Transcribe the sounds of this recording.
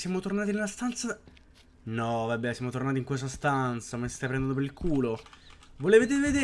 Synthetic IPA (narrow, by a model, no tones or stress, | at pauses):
sjamot̪ornaːt̪̬inelːast̪ant̪sa | nɔvabːɛsjamot̪ornaːt̪iŋkwes̬t̪ast̪ant̪samense̥st̪ajpɾɛnd̪nopeɾilkʰuːlovolevet̪̬eved̪e